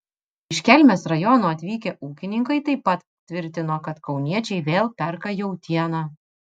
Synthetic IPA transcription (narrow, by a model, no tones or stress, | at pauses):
ɪʃʲkʲɛlʲmʲɛːsɾɐjɔnoːɐt̪ʲʋʲiːkʲeʔuːkʲɪnʲɪŋkɐɪt̪ɐɪpːɐt̪ | t̪ʲʋʲɪɾʲt̪ʲɪnoːkɐt̪kɒʊnʲiɛt͡ʃʲɛɪʋʲeːlˠpʲɛɾkɐjɛʊt̪ʲiɛnɑː